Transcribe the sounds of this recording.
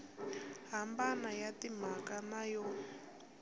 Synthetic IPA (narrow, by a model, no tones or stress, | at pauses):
ɦambanajatim̤akanajɔ